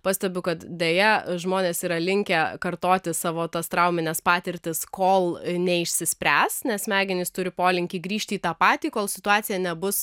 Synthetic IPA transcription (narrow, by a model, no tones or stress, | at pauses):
pɑːsʲt̪ʲɛbʲʊkɐt̪d̪ʲeːjɛʒmoːnʲeːsiːɾɐlʲɪŋʲkʲɛkɐrt̪oːt̪ʲɪsɑːʋoːt̪ɐst̪ɾɐʊmʲɪnʲɛspɑːt̪ʲɪɾʲt̪ʲɪskoːlˠnʲɛɪʃʲsʲɪsʲpʲɾʲæːsnʲɛsmʲæːɡʲɪnʲɪst̪ʊɾʲɪpoːlʲɪŋʲkʲiːɡɾʲiːʃʲt̪ʲiːt̪ɑːpɑːt̪ʲiːkoːlˠsʲɪt̪ʊɑːt̪sʲɪjɛnʲɛbʊs